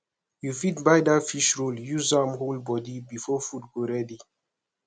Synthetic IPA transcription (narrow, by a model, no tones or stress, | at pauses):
jufitbajdatfiʃɹoljuzãmholbɔdibifɔfut̚ɡoɹɛdi